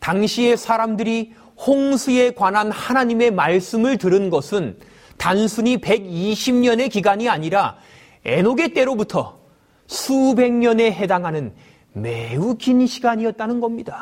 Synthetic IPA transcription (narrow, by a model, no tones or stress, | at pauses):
taŋɕʰie̞sʰaɾamdɯɾi | hoŋsʰue̞kwanɦanhanaɲime̞maɭs͈ɯmɯɭtɯɾɯnɡʌsʰɯn | tansʰuɲipe̞ɡiɕʰimɲʌne̞kiɡaɲiaɲiɾa | e̞̰noɡe̞t͈e̞ɾobutʰʌ | sʰube̞ŋɲʌne̞ɦe̞daŋɦanɯn | meukinɕʰiɡaɲiʌt̚t͈anɯnɡʌmɲida